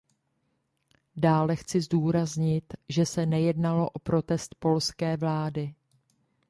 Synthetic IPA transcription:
daːlɛxt͡sɪzduːɾazɲɪt̪ʒɛsɛnɛjɛdnalo̞ʔo̞pɾo̞t̪ɛst̪̚po̞lskɛːvlaːdɪ

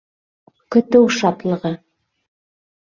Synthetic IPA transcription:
kɵ̆t̪ɘwʃɑt̪lˠɤ̆ʁɤ

